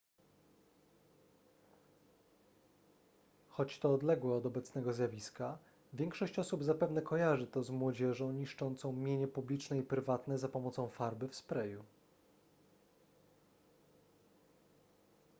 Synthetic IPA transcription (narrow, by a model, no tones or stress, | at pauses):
xɔt͡ɕt̪ɔːd̪lɛɡwɛɔd̪ɔbɛt̪snɛɡɔzʲjavʲiska | vʲjɛŋkʂɔɕt͡ɕɔsubzapɛvn̪ɛkɔjaʐɘt̪ɔzmwɔd͡ʑɛʐɔ̃w̃ɲiʂt͡ʂɔnt̪sɔ̃w̃mʲjeɲɛpublʲit͡ʂnɛipɾɘvat̪nɛzapɔmɔt̪sɔ̃w̃faɾbɘfspɾɛju